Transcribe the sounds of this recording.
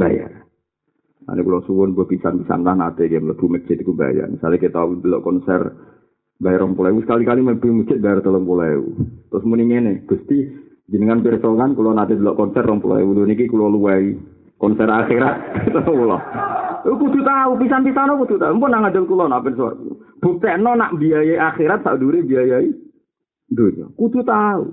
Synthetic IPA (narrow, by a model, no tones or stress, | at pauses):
baja̰r | na̰nikulɔsuwʊnbapisanpisa̰nlanat̪eɡɛmləb̥umə̥t͡ʃɪt̪̚kuba̰ja̰rmisa̰lakit̪audəlɔʔkɔnsɛ̰r | bajarɔmpulaɛwusə̥kalikaliməbumə̥t͡ʃɪt̪̚bajart̪ələŋpulɔḛwṵt̪ɾʊsmuniŋeneɡ̥ust̪i | d͡ʒənkanpirsɔkankulɔnad̪adəlɔʔkɔnsɛrːɔmpula̰ɛ̰wudonikikulɔluwai | kɔnsɛraxiɾat̪̚t̪ələŋpulɔ̰okud̪ut̪aup̬isanp̪it̪anɔkut̪ut̪aumpɔnaŋadəlkulɔnapɪnsua̰rkub̥ut̪ɛʔnɔnaʔbiajaiʔaxiɾat̪̚saduɾebiajai | dod͡ʒɔ̰kut̪ut̪aṵ